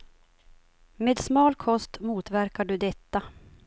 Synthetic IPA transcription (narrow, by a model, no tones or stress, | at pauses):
meːd̪smɑːlkʰɔst̪muːt̪væɾkaɖɵd̪ɛt̪ːa